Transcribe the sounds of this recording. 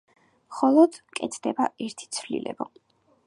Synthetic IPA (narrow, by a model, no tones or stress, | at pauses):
mχɔlˠɔd̪̥kʼɛt̪ʰd̪ɛbaɛɾt̪ʰi̥t̪sʰvlḭlɛ̰bɔ